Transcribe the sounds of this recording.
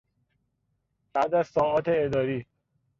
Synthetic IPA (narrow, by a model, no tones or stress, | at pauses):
b̥æd̪æzsɒːɒːt̪ʰeːd̪ɒːɾiː